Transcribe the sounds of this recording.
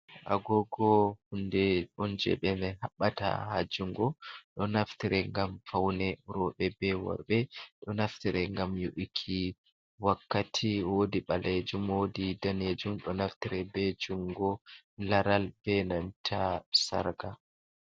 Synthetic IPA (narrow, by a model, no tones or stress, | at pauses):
ʔa̰ɡɔɡɔhundɛɗɔnd͡ʒɛ̰ɓɛmɛhaɓːata̰ha̰d͡ʒuŋɡɔɗɔnaftiɾɛŋɡamfawnɛɾɔɓɛbɛwɔ̰ɾɓɛɗɔnaftiɾɛŋɡamjuʔikʰi | wakːatʰiwodiɓaled͡ʒumwodidaned͡ʒumɗɔnaftiɾɛbɛd͡ʒuŋɡɔ | laɾalbɛnantʰasa̰ɾɡa